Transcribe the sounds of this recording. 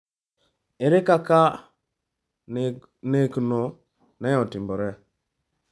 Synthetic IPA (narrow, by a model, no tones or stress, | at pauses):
eɾekaka | nekno | nɛjɔtimbɔɾɛ